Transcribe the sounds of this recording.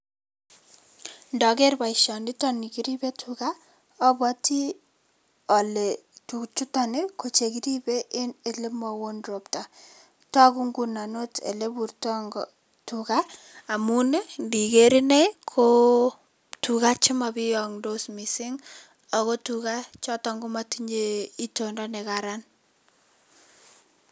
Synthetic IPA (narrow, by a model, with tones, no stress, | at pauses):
ndɔ˨ɡɛ˦ɾba˨ɪ˨ʃɔ˨ndi˦tɔ˦ni˨ki˨ɾi˦be˦tʰuka˦ | ɔ˦bɔ˦ti˦ | ɔ˨le˨tu˨t͡ʃu˦tɔ˨ne˦ko˨t͡ʃe˨ki˦ɾi˦be˦ʔɪ˦ne˨lɪ˦mɔ˨wo˦nɾo˨pta˨ | tɔ˦ku˦ŋɡu˨na˨no˦tḛ˨le˦bu˨ɾtɔ˦ŋɡɔ | tukaː˦˨ | mu˦ne˦ndi˨ɡe˦ɾi˦ne˦kʰo˦ | tu˨ka˦t͡ʃɪ˦ma˨bɪ˦jɔŋdo˦smi˨sɪ˦ŋ | ɔ˨ko˦tuka˦t͡ʃɔ˦tɔ˦ŋɡu˦ma˦tiɲe˦i˦tondɔ˦nɛ˨kaɾa˦n